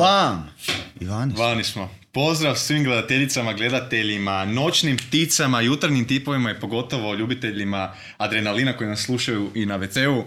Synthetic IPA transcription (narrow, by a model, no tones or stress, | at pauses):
ʋamiʋanʋanismo | po̞zd̪ɾaʋsʋimɡle̞d̪at̪e̞ʎit̪samaɡle̞d̪at̪e̞ʎimano̞t͡ʃnimpt̪it̪samajut̪aɾɲimt̪ipo̞ʋimajepo̞ɡo̞t̪o̞ʋo̞ʎuːbit̪e̞ʎima | ad̪ɾenalinakojinasːlˠuʃajuʔinaʋet̪seu